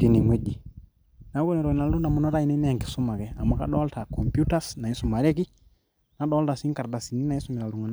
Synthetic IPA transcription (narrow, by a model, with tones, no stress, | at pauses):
ki˦ni˨mi˦d͡ʒi˨ | na˨˦ku˦nɛ˨ɾɔ˨i˨na˨lu˦n˦da˨mu˨nɔ˦ɾa˦i˨ni˦nɛ˦a˨ŋki̥˨su˦ma˨kɛ˨a˨mwa˨ka̰˦ɗɔ˦lta˨kɔ˨mpju˦ta˦sna˨i˦su˨ma˨ɾɛ˦ki˦ | na˨˦ɗɔ˦lta˨si˦ŋka˨ɾda˨si˨ni˦na˨i˦su˦mi˨ɾa˨lu˨ŋa˨n